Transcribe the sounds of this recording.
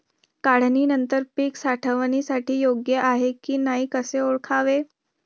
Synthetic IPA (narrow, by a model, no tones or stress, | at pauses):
kaɽ̤niːnənt̪əɾpiːksaʈʰəʋnisaʈʰiːjoɡjəʔaɦekiːnaɦiːkəseoɭkʰaʋe